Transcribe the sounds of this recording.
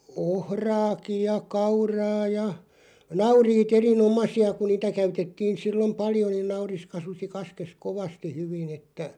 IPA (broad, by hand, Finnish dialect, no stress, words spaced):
ohrɑːkij̆ jɑ kɑurɑː jɑ nɑuriːt erinomɑsiɑ ku niːtæ kæytetːiːn̞ silːom pɑljo niːn nɑuris kɑsusi kɑskes koʋɑsti hyʋin etːæ